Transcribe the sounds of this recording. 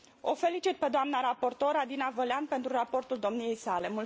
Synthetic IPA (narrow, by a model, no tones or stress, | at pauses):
o̞fe̞lit͡ʃit̪̚pe̞d̪oamnaɾapo̞rt̪o̞ɾad̪inavəleanpent̪ɾuɾapo̞rt̪uld̪o̞mnije̞jsale̞mul